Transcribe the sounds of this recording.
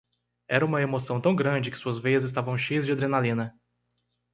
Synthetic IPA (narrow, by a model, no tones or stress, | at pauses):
ɛɾɐũmɐemosɐ̃w̃t̪ɐ̃w̃ɡɾɐ̃d͡ʒɪkɪ̥suɐzvejɐzɪs̬t̪avɐ̃w̃ʃejɐzd͡ʒɪad̪ɾenalĩnɐ